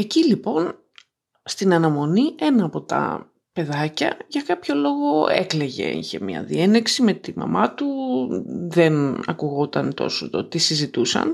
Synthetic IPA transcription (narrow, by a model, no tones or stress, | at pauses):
e̞cilipo̞n | st̪inɐnɐmo̞nie̞nɐːpo̞t̪ɐ̰ | pe̞ðɐcɐ̰ʝɐkɐpço̞lo̞ɣo̞ekle̞ʝe̞̰ḭçe̞̰mɲɐ̰ðieneksime̞t̪imɐ̰mʔɐt̪u | ðe̞nɐ̰kuɣo̞t̪ɐnt̪o̞̰sot̪ot̪isizit̪usɐ̰n